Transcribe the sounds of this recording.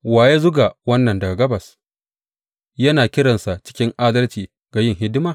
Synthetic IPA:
waː˨je˦zʊ˦ɡa˨wɐ˦nːɐ˨ndɐ˨ɡa˨ɡɐ˦bɐ˨s | jɐ˦naː˨kʲɪ˦ɽɐ˨nsa˨t͡ʃɪ̥˦kʲɪ˦ŋʔaː˦dɐ˦lt͡ʃiː˨ | ɡ̥a˨jɪ˦˨ŋɦɪ˦dɪ˦maː˨

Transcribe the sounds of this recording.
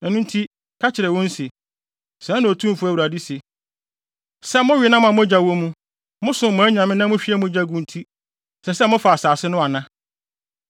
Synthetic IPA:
ɛ˨nũ˦n˦tʰi˦ | kʰa˦t͡ɕʰɪ˨ɾɛ˨wɔ̃˦n̩˦si˨ | sã˨˦nʊ̃˨o˨tʰũ˦m˨fʊ˨˦æ˨wu˨ɾa˨di˦si˨ | sɛ˦mʊ̃˦ɥɪ˨˦nã˦m˦ã˨mʊ̃˦d͡ʑa˨wɔ˦mũ˦ | mʊ̃˦sʊ̃˨mʊ̃˨˦ɲã˨mɪ̃˦nã˦mʊ̃˦ɕᶣi˦æ˦mʊ̃˦d͡ʑa˦ɡũ˦n̩˦tʰi˦ | sɛ˨sɛ˦mʊ̃˦fa˨a˨saː˨sɪ˦nʊ̃˦a˨nã˦

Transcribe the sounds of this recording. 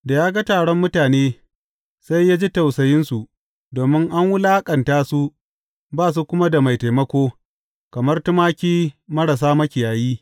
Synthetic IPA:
da˨jaː˦ɡa˦taː˨ɽɔ˦mːʊ˦taː˨neː˦ | sa˦jːaː˦d͡ʒi˦ta˨wsɐ˨jɪ˦nsu˨ʔ | doː˨mɪ˦ŋʔa˦ŋwʊ˦laː˦kʼɐ˨ntaː˦su˦ | baː˦˨s̬u˦kʷʊ˦ma˦da˨ma˨jta˨jmɐ˦kʷoː˦ | kɐ˨mɐ˦rtʊ˦maː˦kʲiː˦mɐ˦ɽa˨s̬aː˦mɐ˦kʲɪ˨jaː˨jiː˦

